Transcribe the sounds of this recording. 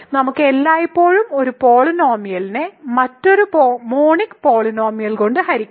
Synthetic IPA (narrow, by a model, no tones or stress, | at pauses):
nɐmukːɨe̞lːaːjipːo̞ːɻumo̞ɾupo̞ːɭino̞ːmijɐlinɨmɐtːo̞ɾupomoːɳikːpo̞ːɭino̞ːmijɐlko̞ɳɖɨhɐɾikʲː